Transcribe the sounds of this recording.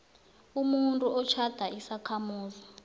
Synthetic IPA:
umuntʼuɔt͡ʃʰad̥ʱaisakʰamuːzi

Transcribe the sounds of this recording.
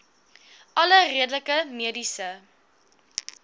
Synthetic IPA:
ʔɐləriədələkəmiədisə

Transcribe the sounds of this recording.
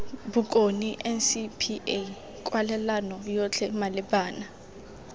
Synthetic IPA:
bʊkʼoniʔɛnsipʰie | kʼwalɛlanɔjɔt͡ɬʰɛmalɪbaːna

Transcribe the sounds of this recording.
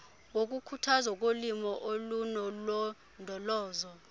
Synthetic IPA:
wok̬ukʰutʰazak̬ʼolimɔʔolunɔlɔ | ndʱɔlɔːzɔ

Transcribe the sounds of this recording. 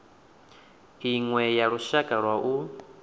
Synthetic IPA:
iŋwɛjaɺuʃakʼaɺwaʔu

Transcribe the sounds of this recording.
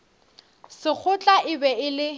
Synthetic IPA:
sɪk͡xʰʊt͡ɬʼaʔɪbɛɪlɪ

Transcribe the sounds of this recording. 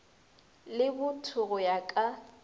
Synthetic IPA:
lɪbʊtʰʊɣʊjakʼa

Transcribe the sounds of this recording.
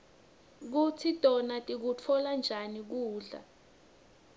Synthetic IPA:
k̬utʰitʼɔnatʼik̬ut͡fʰɔland͡ʒʱanik̬uːɮa̰

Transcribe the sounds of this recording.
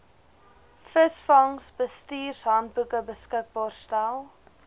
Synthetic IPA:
fəsfɐŋsbəstiːrsɦɐnt̚bukəbəskək̚bɑːrstælˠ

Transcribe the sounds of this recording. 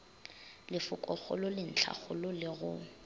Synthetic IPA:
lɪfʊkʼɔχʊ̰lʊlɪn̩t͡ɬʰa̰χʊlʊlɪɣʊ

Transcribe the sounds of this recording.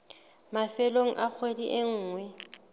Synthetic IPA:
mafɛloŋ̩ʔak͡xʰwediʔeŋ̩ːŋwɛ

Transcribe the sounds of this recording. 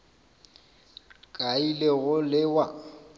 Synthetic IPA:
kʼaileɣʊlɪwa

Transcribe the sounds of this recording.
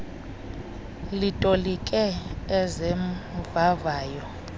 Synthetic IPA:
litʼolikʼɛɛzɛmvavaːjɔ

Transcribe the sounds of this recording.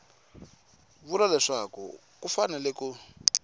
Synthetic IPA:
βulalɛʂakṵ | kufanɛlɛku

